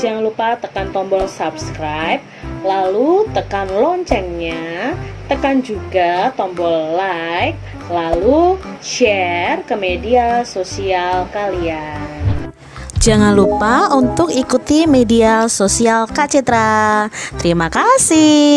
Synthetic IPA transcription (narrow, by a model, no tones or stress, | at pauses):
d͡ʒaŋanlupat̪əkant̪ɔmbɔlsapskɾajp̚lalut̪əkanlɔɲt͡ʃɛŋɲat̪əkand͡ʒuɡat̪ɔmbɔllak̚ | lalu | ʃɛrkəmediasosialkalian | d͡ʒaŋanlupaunt̪ʊkikut̪imediasosialkat͡ʃɛt̪ɾat̪əɾimakasɪ